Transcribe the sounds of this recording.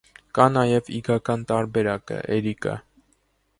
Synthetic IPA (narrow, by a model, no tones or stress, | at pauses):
kɑnɑjɛviɡɑkɑnt̪ɑɾbɛɾɑkə̰ʔɛɾikə̰